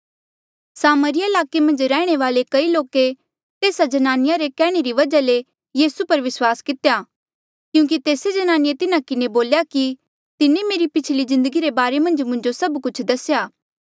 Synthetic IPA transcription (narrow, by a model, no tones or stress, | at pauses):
saːməɾɪjaɪlaːkemɐ̃nd͡ʒɾɛːɽ̃eʋaːlekɐiloːke | t̪eːsad͡ʒɐnaːnɪjaɾekɛːɽ̃eɾiʋɐd͡ʒale | jiːsupɐɾʋɪswaːskɪt̪ejaː | kjũːk̬it̪eːsed͡ʒɐnaːnɪet̪ɪnakɪneboːljaki | t̪ɪnemeːɾipɪt͡ʃʰlizɪ̃nd̪əɡiɾebaːɾemɐ̃nd͡ʒmʊ̃nd͡ʒosɐbkʊt͡ʃʰd̪ɐsjaː